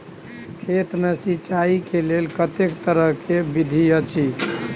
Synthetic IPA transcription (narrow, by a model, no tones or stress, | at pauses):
kʰet̪mesit͡ʃaikelelkət̪ekt̪əɾəɦkebid̪ʱiət͡ʃʰi